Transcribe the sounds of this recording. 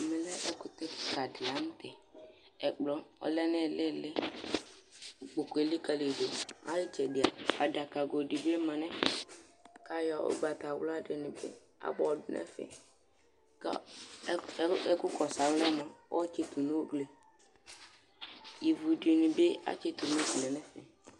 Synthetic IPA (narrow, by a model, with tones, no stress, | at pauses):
mɪ˨lɛ˦ʔɛ˦kʊ˨t̪ɛ˦kka˨dɪ˨la˨˦m̩˦t̪ɛ˨ | ɛ˨k͡plɔ˨˦ɔ̰˦lɛ˦nɛ˦˨lɪ˦˨lɪ˦˨ | k͡po˨ke˨˦lɪ˦ka˦le˨do˨a̰˦lɪ˦t͡ʃɛ˨dɪ˨a˨a̰˨da˨ka˨ɡo˨di˨be˦mã˨nɛ̃˦ | ka˨jɔ˨ʊ̰˦ɡ͡ba˨ta˨wla˦dɪ˨nɪ̃˨bɪ̰˦ | a̰˦bɔ˨dʊ˨nʔɛ̰˦fɛ̰˨ | ka̰˨˦ | ɛ˦kʊ˦kɔ˨sa˨˦wlɛ˦mɔ̃˨wɔ˦t͡ʃe˦t̪u˨no˦ɡle˨ | i˨vu˨dɪ˨nɪ˨bɪ˦a̰˦t͡ʃe˦t̪u˨n˦fi˨lɛ˨nɛ˦fɛ˨